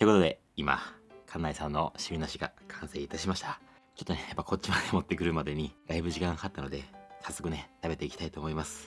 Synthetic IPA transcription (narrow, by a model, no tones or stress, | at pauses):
t̪oeko̞t̪o̞d̪e̞̰ | ima̰kʰãnːaisãnːo̞ɕimʲinoɕiɡa̰kʰãɰ̃se̞ːit̪aɕimaɕi̥t̪a | t͡ɕot̪ːone̞japːaiko̞tt͡ɕimad̪e̞mo̞t̪ːe̞kɯ̟ɾɯ̟mad̪e̞ɲ̟id̪aibɯ̟ʑikãɰhat̪ːano̞d̪e̞sasːo̞kɯ̟ne̞t̪abe̞t̪e̞ikʲt̪ait̪oːmo̞imasɨ̥